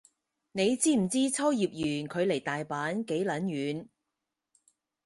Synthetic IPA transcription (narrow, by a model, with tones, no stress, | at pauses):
ne˨˧jt͡siː˥m̩˨˩t͡siː˥t͡sʰɐ˥wjiː˨p̚jyː˨˩nkʰɵ˨˧ɥle˨˩jt̪aː˨jpaː˨˥nke˨˥jlɐ˨˥njyː˨˧n